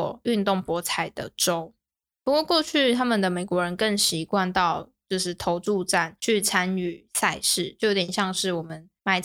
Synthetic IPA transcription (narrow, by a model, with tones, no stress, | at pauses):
y˥˧nt̪ʊ˥˩ŋpwɔ˧˥t͡sʰa˨˩ɪd̪ə̰˦˩ʈ͡ʂo˥ʊ | pu˧˥kwɔ˥˧kwɔ˥˧t͡ɕʰy˥˩t̪ʰa˥mə˨nd̪ə˩me˨˩ɪkwɔ˧˦ɻə˧˦nkə˥˩ŋɕi˧˥kwa˥˧nt̪ɑ˥˨ʊt͡ɕjo˥˧ʊʂɻ̩˥˩t̪ʰo˧˥ʊt͡su˥˧ʈ͡ʂa˥˩nt͡ɕʰy˥˩t͡sʰa˦˥ny˨˩sa˥˧ɪʂɻ̩˥˩t͡ɕjo˥˩ʊjo˧˥t̪jɛ˨˩nɕjɑ˥˧ŋʂɻ̩˥˩wɔ˨˩mə˦n | ma˧˥ɪ